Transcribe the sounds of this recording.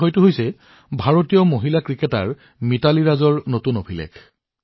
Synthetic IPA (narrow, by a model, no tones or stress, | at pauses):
ojtʊɦojsɛ | bʱaɹotijɔmoɦilakɹikɛta̰ɹ | mitaliɹazɔɹnotunobʰʱilɛ̰kʰ